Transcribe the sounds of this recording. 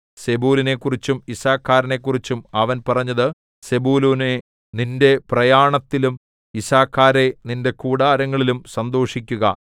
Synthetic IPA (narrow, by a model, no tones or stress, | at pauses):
se̞buːline̞kːurit͡ɕːumisaːkʰːaːɾɐne̞kːurit͡ɕːumɐʋɐnpɐrɐɲːɐðɨ | se̞buːluːne | ninde̞prɐjaːɳɐt̪ːilum | isaːkʰːaːɾe̞ninde̞kuːɽaːɾɐŋːɐɭilumsɐnd̪o̞ːʂikʲːuɣɐ̰